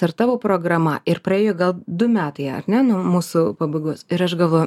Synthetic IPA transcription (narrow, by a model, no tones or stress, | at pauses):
ɐɾt̪ɑːʋoːpɾoːɡɾɐmɐɪɾpɾɐeːjoːɡɐlˠd̪ʊmʲæːt̪ɐɪɐ̰ɾʲnʲɛnɔmuːsʊpɐbɐɪɡoːsɪɾɐʃɡɐlˠʋoːjʊ